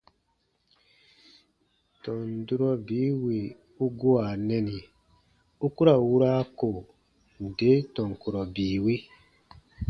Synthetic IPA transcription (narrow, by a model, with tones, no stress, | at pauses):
tɔ̃˨n˨du˦ɾɔ˦biː˨˦wi˨ | u˦ɡo˦a˨nɛ˦ni˨ | u˦ku˦ɾa˨wu˦ɾaː˦ko˨ | n̩˨de˨˦tɔ̃˨ŋ˨ku˨ɾɔ˨biː˨wi˦